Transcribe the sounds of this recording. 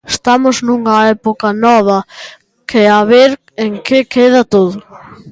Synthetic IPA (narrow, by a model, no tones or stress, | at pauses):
est̪amʊznuŋɐɛpokɐnɔβ̞ɐ | keaβeɾ | eŋkekeð̞ɐt̪oðʊ